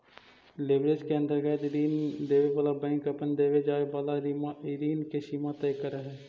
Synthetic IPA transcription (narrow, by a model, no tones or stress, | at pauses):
lɪbɾet͡ʃkeə̃nd̪əɾɡɛːt̪ɪɾiːnd̪eːʋebəlabɛ̃ŋkəpənd̪eːʋed͡ʒaːebalaɾimaɪɾiːnkeʃiːmat̪əjkəɾəɦɛː